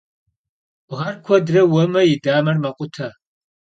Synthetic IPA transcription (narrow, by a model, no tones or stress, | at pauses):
ʁɐrkʷʰɔdrɐwɐmɐjɪdaːmɐrmɐqʷʼʊtʰɐ